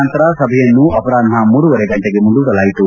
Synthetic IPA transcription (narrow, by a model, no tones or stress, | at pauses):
nt̪ɐɾɐsɐbʱɛjɐnːuʔɐpɐɾaːd̪mamuːɾuʋɐɾeɡɐɳʈeɡe̞mund̪uʋiɽɐlaːjit̪u